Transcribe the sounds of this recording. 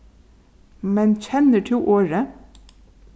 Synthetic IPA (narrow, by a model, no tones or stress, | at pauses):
mɛnc͡çʰɛnəʈʰɪːʔoːɹə